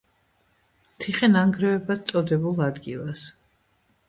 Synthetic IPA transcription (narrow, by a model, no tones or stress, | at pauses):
mt̪ʰiχɛnaŋɡɾɛvɛbad̪̚t̪sʼɔd̪ɛbulˠad̪ɡilˠas